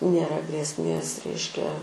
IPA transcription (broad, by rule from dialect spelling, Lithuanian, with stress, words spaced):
nʲeːˈrɐ ɡrʲeːsʲˈmʲeːs ˈrʲɛɪʃʲkʲɛ